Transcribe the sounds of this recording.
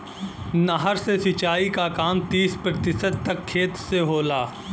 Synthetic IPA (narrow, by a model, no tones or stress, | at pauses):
nəɦəɾsesɪt͡ʃaːikakaːmt̪iːspɾət̪ɪsəd̪̚t̪ɐkʰːeːt̪seɦoːlaː